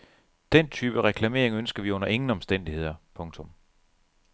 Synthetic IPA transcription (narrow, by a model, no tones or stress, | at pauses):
d̥en̰t͡sʰyːb̥əʁɛkʰlæme̝ːɐeŋønsɡ̥ɐʋiɔ̽n̰ɐʔe̝ŋn̩ɒ̽msd̥en̰d̥ihe̝ð̞̰ˠɐpʰɔ̽ŋt͡sʰɔ̽m